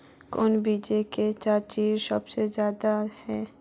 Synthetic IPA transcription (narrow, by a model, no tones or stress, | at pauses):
konbid͡ʒeket͡ʃaːɾt͡ʃiːɾsəbsezjaːd̪ahɛː